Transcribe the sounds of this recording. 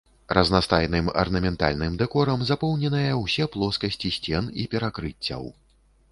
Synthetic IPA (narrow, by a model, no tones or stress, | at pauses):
ɾɐznast̪ajnɨmɐ̰rnɐmʲɛnt̪a̰lʲnɨmd̪ɛkɔɾɐmzapɔwnʲɛnɐjɐwsʲɛplˠɔskɐsʲt͡sʲisʲt͡sʲɛnipʲɛɾakɾɨt͡sʲːɐ̰w